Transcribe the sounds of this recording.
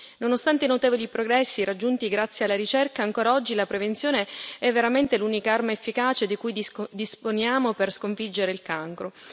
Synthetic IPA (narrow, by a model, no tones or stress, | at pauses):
nonost̪ant̪einot̪eːvolipɾoɡɾɛsːiɾad͡ʒːunt̪iɡɾat̪sːjealːaɾit͡ʃɛrkaːŋkoːɾaɔd͡ʒːilapɾevent̪sjoːneɛvːeɾament̪eluːnikaarmaefːikaːt͡ʃed̪ikujd̪isponjaːmoperskoɱfid͡ʒːeɾeilkaŋkɾo